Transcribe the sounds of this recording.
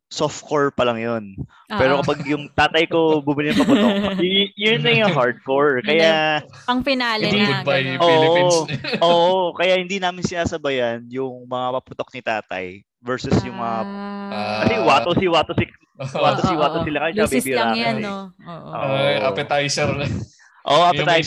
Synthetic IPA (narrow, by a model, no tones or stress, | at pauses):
soft̪̚koɹpɐlɐŋjon | pɛːɾokɐpaɡjʊŋt̪aːt̪ɐjko̞bʊmɪlɪnɐŋmpɐʊt̪okːjʊnːɐjʊŋɦaɹd̪̚koɹkɐjaɐŋfɐnaːlɪnd̪ibɐjoɛːʔʔoːʔokɐjaʔhɪnd̪inaːmɪnsɪnaːsɐbɐjɐnjʊŋmɐŋapɐpʊt̪ok̚nɪt̪a̰ːt̪ɐ̰j | vɛɹsʊsjʊŋmɐŋa | kɐsɪwaːt̪osiwaːt̪osɪk | waːt̪osɪwaːt̪osɪlakɐsɛt͡ʃɐkɐbbiɾaːkɛnɛʔʔo̰ːaʔɐpɛt̪ajsɛɾ | ʔoːʔʔapɛt̪aj